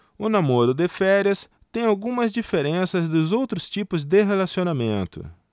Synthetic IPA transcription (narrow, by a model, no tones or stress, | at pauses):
ʊnamoɾʊd̪ɪfɛɾiɐs | t̪ẽj̃awɡũmɐzd͡ʒifeɾẽsɐzd̪ʊzowt̪ɾʊst͡ʃipʊzd̪ɪɦelasionamẽnt̪ʊ̰